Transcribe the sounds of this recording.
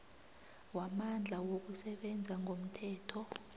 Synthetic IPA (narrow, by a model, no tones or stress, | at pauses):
wamand͡ɮʱawok̬usɛɓɛnd͡zʱaŋɡʱom̩tʰɛːtʰɔ